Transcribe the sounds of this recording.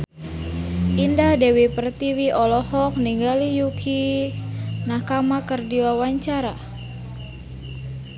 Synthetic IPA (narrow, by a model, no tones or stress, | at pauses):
ʔindadɛwipərt̪iwiʔɔlɔhɔk̚niŋɡalijukʰi | nakamakərdiwawaɲt͡ʃaɾa